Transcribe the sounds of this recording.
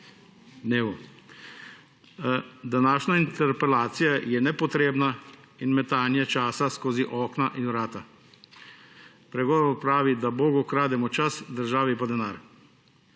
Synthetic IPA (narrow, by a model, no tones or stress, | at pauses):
d̪neːʋɔ | d̪anaːʃnaint̪ɛɾpɛlaːt̪sijajɛnɛpɔt̪ɾeːbna | inmɛt̪aːnjɛt͡ʃaːsaskoːziʔɔːknaʔinwɾaːt̪a | pɾɛɡɔːʋɔɾpɾaːʋid̪abɔːɡɔkɾaːd̪ɛmɔt͡ʃasd̪əɾʒaːʋɛpad̪ɛnaːɾ